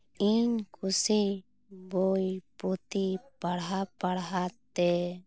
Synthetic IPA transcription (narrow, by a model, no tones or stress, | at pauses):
iɲkʰusi | bojput̪ipaɽɦapaɽɦat̪ɛ